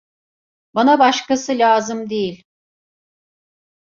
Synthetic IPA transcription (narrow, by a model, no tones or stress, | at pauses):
banabɑʃkasɯlʲaːzɯmd̪ejilʲ